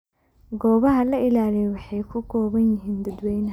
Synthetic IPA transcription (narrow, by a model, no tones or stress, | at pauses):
ɡɔːβɐɦɐlɐʔɪlaːlɛjwɑħɑjkʰʊɡʰɔːβɐnjɪɦiːnd̪ɐd̪wɛjnɦ